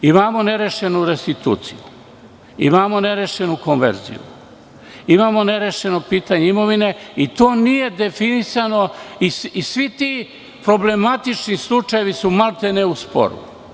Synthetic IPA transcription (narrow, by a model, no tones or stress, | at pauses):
imaːmo̞ne̞ɾe̞ʃe̞nuɾe̞st̪it̪ṵːt̪sḭju | ḭmaːmo̞ne̞ɾe̞ʃenukonʋḛɾzḭjṵ | imaːmo̞ne̞ɾe̞ʃe̞no̞piːt̪aɲeimo̞ʋine̞it̪o̞ːnije̞d̪e̞finisano̞isisʋit̪i | pɾo̞ble̞mat̪it͡ʃnislˠut͡ʃajeʋisumalt̪eneuspo̰ɾṵ